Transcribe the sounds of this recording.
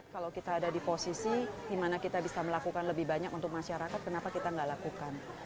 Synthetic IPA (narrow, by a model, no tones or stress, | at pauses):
kalawkit̪aːdadiposisidimanakit̪abisaməlakukanləbɪhbaɲakunt̪ʊk̚maʃaɾakat̪̚kənapakit̪aŋɡaʔlakukan